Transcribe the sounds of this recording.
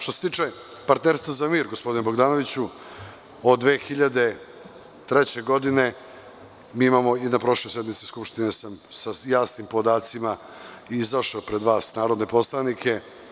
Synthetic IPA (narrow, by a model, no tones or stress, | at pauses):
ʃt̪o̞set̪iːt͡ʂe | paɾt̪neːɾst̪vazamiːɾɡospo̞d̪inebo̞ɡd̪aːnoʋit͡ɕu | od̪d̪ʋeːxiʎad̪e | t̪ɾet͡ɕe̞ɡo̞d̪ine̞ | miːimamo̞inapɾo̞ʃlojsjed̪mit̪si̥skupʃt̪inesamsajaːsnimpo̞d̪aːt̪sima | iizaʃepɾe̞d̪ʋaːsnaːɾo̞d̪ne̞po̞slˠanikʰe̞